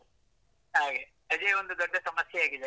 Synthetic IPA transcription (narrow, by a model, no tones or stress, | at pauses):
ɦaːɡe | ɐðeond̪ud̪ɔɖːɐsɐmɐsjɐaːɡiðe